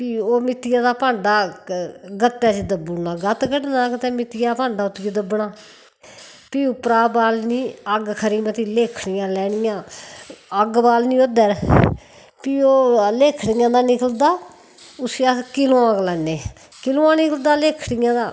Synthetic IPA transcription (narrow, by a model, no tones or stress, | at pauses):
piːoːmɪt̪ɪjãːd̪aːpaːɳɖaː | ɡət̪ːaːt͡ʃed̪əbunãːɡət̪ɡəɖnãːkət̪eːmɪt̪ɪjaːpãːɳɖaːʊt̪ːɡed̪əbɳaː | piːʊpɾaːbaːlniːəɡkʰəɾiːmət̪iːleːkʰɽɪjãːlɛːɽɪjãː | əɡbaːlnĩːoːd̪əɾ | piːoːleːkʰɽɪjãːd̪aːnɪkəld̪aː | ʊsjaːkɪlõːãːklɛːneː | kɪlõːãːnɪkəld̪aːleːkʰɽjãːd̪aː